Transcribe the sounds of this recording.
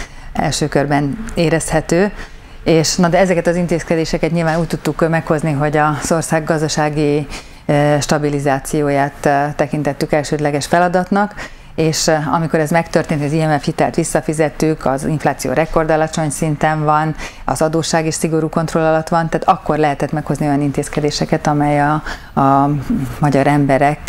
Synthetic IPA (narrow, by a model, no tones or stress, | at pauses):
ɛ̰lʃøːkørbɛneːɾɛshɛt̪øː | eːʃnɒd̪ɛɛzɛkɛt̪ɒzint̪eːskɛd̪eːʃɛkɛt̪ɲilvaːnuːc̚t̪ut̪ːukmɛkho̞zniɦo̞ɟɒz̥o̞rsaːɡːɒzd̪ɒʃaːɡi | ʃt̪ɒbilizaːt̪sijoːjaːt̪ːɛkint̪ɛt̪ːykɛlʃøːd̪lɛɡɛʃfɛlɒd̪ɒt̪nɒk | eːʃɒ̰miko̞ɾɛzmɛkt̪ørt̪eːnt̪ɒziɛmɛfhit̪ɛ̰lt̪ʋisːɒfizɛt̪ːykʰɒziɱflaːt̪sijo̰ːɾɛko̞rd̪ɒlɒt͡ʃo̞ɲsint̪ɛɱvɒn | ɒ̰zɒd̪oːʃːaːɡeːʃsiɡo̞ɾuːko̞nt̪rolːɒlɒt̪ʋɒnt̪aːt̪ɒkːo̞rlɛɦɛt̪ɛt̪mɛkho̞znio̞jɒnint̪eːskɛd̪eːʃɛkɛt̪ɒmɛjɒ | mɒɟɒɾɛmbɛɾɛk